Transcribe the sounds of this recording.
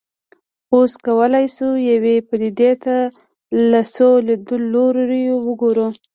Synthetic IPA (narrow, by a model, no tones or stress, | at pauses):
oskawəlajsujawepad̪id̪et̪a | lasoled̪ulːoɾɾjowəɡoɾu